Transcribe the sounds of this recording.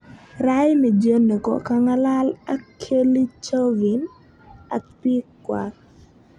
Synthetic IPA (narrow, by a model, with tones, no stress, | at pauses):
ɾa˦jmi˨d͡ʒe˦no˨kɔ̰˨ka˦ŋa˦la˦la˦kʰːe˦li˦t͡ʃo˦vi˨n | a̰˨k̚pi˦kːwa˨